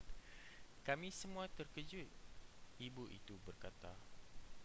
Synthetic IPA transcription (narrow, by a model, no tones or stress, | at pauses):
kamĩsəmũat̪ərkəd͡ʒut̪̚ibuʔḭt̪ubərkat̪a